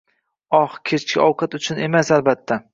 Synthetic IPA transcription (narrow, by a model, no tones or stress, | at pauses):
ɒhkʲʰet͡ʃkʲa̰ʔɒwqʰɑt̪ʊt͡ʃʰʊnemasalbat̪ʰːa